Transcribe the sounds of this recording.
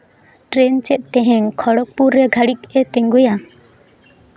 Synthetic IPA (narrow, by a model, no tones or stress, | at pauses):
ʈɾɛnt͡ʃɛt̪̚ˀt̪ɛɦɛ̃ŋkʰɔɽɔk̚puɾɛɡʱaɽikɛt̪ɛŋɡuja